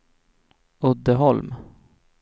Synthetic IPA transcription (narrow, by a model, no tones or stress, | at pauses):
ɵd̪ːəɦɔlm